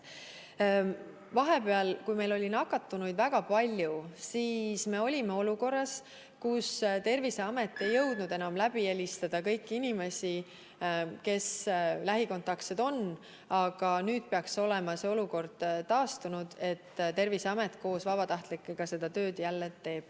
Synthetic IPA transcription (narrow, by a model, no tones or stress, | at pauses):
vɑɦe̞pe̞ɑlkujme̞lo̞lʲinɑkːɑt̪ːˑunujd̪væɡ̥ɑpɑlʲjusiːsme̞o̞lʲime̞o̞luko̞rːɑs | kust̪e̞rvise̞ɑme̞t̪ːˑe̞jːɤwd̪̥nud̪e̞nɑmlæb̥ie̞lʲist̪ɑd̪̥ɑkɤ̞jkːinime̞si | ke̞slæɦiko̞nt̪ːˑɑkt̪sed̪̥o̞nː | ɑɡ̥ɑnyːd̪̥̚pe̞ɑkso̞le̞mɑseo̞luko̞rd̪̥t̪ɑːst̪unud̪̥e̞t̪ːt̪e̞rvise̞ɑmet̪ˑko̞ːsvɑbɑt̪ɑht̪likːˑeɡ̥ɑse̞d̪̥ɑt̪ø̞ːd̪̥jælːet̪ːe̞ːb̥